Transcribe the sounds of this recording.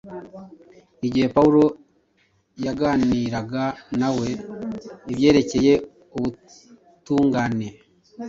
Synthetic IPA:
iɟihe̞pauɾo̞ | jaɡaːniːɾaɡanawe̞ | iβje̞ːɾe̞ce̞je̞ | uβu | tuːŋɡane̞

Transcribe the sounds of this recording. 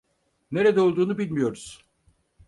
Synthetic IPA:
ne̞ɾed̪ɛolˠd̪uːnubilʲmijo̞ɾuz̥

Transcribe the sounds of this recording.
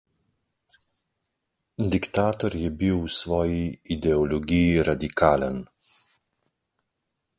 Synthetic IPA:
d̪ikt̪aːt̪ɔɾjɛbiwsʋɔːjiːd̪ɛɔlɔɡijiɾad̪ikaːlən

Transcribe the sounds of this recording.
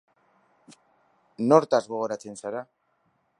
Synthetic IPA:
no̞ɾt̪azɣo̞ɣ̞o̞ɾat͡se̞nsaɾa

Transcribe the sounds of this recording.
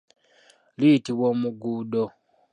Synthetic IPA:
litiβomuɡuːdo

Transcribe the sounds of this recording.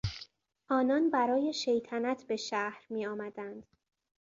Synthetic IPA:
ʔɒːnɒnbæɾɒːje̞ʃe̞jt̪ʰænæt̪ʰbe̞ʃæhɾmiːɒːmæd̪ænd̪̥

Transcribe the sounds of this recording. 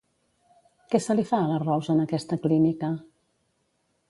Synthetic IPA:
kɛsəlifaələrɔwzənəkɛst̪əklinikə

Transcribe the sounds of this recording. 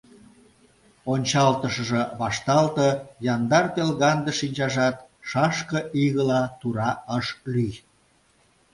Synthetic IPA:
onʲt͡ɕɑlt̪əʃə̆ʒə̆βɑʃt̪ɑlt̪ɤjɑnd̪ɑrpelɣɑnd̪əʃinʲt͡ɕɑʒɑt̪ | ʃɑʃkəʔiɣəlɑt̪uɾɑəʃlyj

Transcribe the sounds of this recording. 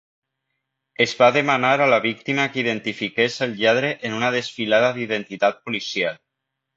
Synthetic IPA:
ezβaðemanaɾalaβ̞ik̚t̪imakiðent̪ifikeselʎaðɾeʔenunaðesfilaðaðiðent̪it̪at̪̚polisial

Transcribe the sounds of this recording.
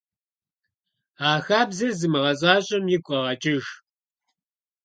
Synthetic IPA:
aːxaːbzɐrzɨmɨʁɐɕʼaːɕʼɐmjɪkʷʼɐʁɐt͡ʃʼɪʒ

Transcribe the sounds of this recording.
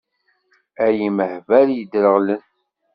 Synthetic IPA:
æjiməhvæljəd̪ɾəʁlən

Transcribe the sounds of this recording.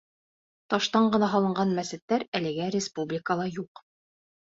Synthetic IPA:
t̪ɑʃt̪ɑɴɢɤ̆nɑɦɑlˠɤ̆ɴɢɑnmæsɘ̆t̪ːæɾælɘ̆ɡæɾʲɪspublʲɪkəlˠɑjuq

